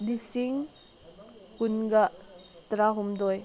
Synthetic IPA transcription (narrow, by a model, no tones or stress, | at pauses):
disiŋ | kunɡatɾaɦumdɔj